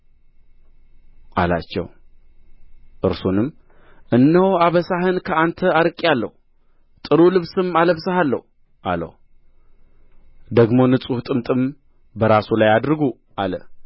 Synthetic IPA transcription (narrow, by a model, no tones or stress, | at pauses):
ʔa̰la̰t͡ʃːɛ̰w | ʔɨɾsunɨmː | ʔɨnːəwaβəsaɦɨnkʰəant̪ʰəaɾɨkʼːjalːə̰hu | t̪ʼɨɾulɨβsɨmaləβsəhalːə̰hu | ʔa̰lə̰hu | d̪əɡmo̞nɨt͡sʼuht̪ʼɨmt̪ʼɨm | bəɾasulajad̪ɾɨɡu | ʔalə̰